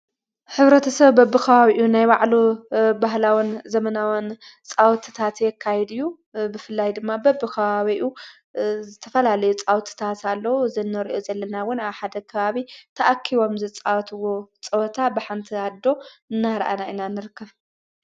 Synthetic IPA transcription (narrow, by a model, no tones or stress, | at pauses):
ħɨβɾɐt̪ʰɐsɐβːɐbːɨkʰɐβaβiʔunajbaʕlobaɦlawinzɐmɐnawɐn | t͡sʼawt̪ʰi̥t̪ʰat̪jɛkʰːajɛd̪ɨjːu | bɨfɨlːajd̪ɨmːabɐbːɨkʰɐβaβiʔu | zɨt̪ʰɐfɐlalɐjut͡sʼawt̪ʰi̥t̪ʰat̪alːɐwuzɐnːɐɾʔozɐlːɐnawʊnaβħad̪ɐkʰɐβaβit̪ʰɐʔakʰːiβo̞mzɨt͡sʼawt̪ʰɨwo̞t͡sʼɐwt̪ʰabɨħant̪ʰiad̪ːo̞ɨnːaɾɐ̰ʔa̰nainanɨɾɨkːɐβ